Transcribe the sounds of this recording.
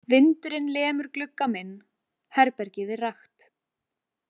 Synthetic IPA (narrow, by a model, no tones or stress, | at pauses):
vɪnt̪ʏɾɪnlɛːmʏɾ̥klʏkːamɪnː | hɛɾpɛɾcɪðɪraxt̪